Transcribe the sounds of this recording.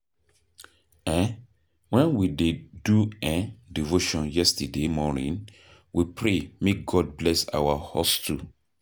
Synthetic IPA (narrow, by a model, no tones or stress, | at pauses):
ɛ̃n | wɛ̃nwideduɛ̃divoʃɔ̃njɛstademɔnḭ̃n | wipɹemek̚ɡɔd̚blɛsa̰wahɔstʰu